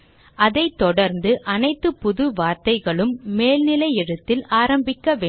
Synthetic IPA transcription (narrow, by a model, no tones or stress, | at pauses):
ɐðɐɪt̪ːɔɽɐɾnd̪ɯʔɐnɐɪt̪ːɯpʊðɯʋaːɾt̪ɐɪɣɐɭɯmːeːlnɪlɐɪjɛɽɯt̪ːɪlaːɾɐmbɪkːɐʋeː